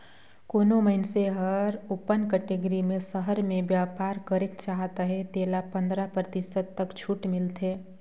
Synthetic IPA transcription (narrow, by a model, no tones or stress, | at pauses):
koːnoməɦɪnseɦəɾʊpːənkəʈeɡəɾimẽsəɦəɾmẽʋjaːpaːɾkəɾɪkt͡ʃaːɦt̪aɦɛt̪eːlapə̃nd̪ɾapɾət̪ɪsəd̪̚t̪əkt͡ʃʰuːʈmɪlt̪ʰeː